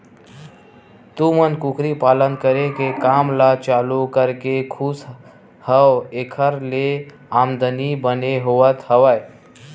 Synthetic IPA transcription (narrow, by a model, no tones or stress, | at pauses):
t̪umənkukʰɾipaːlənkəɾekekamlat͡ʃalukəɾkekʰus | həwekʰəɾle | amd̪ənibəneɦoət̪həʋəj